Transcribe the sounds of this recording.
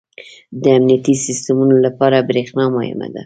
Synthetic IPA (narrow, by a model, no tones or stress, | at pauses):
d̪əamnijat̪isɪst̪əmunolapɑɾabɾexnɑmɑhɪ̰ma̰d̪a̰